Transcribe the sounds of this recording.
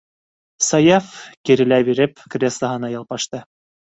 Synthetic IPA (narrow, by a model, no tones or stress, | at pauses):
sɑjafkiɾɘ̆læβiɾɘpkrʲeslˠɑɦɤ̆nɑjɑlˠpɑʃt̪ɤ